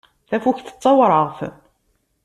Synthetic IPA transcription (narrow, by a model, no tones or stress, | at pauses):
θæfuçθə̥t͡sˤːɑwɾˤəʁθ